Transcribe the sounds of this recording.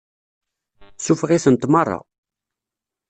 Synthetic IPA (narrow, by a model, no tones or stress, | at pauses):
sufʁiθənt̪mərˤːɑ̰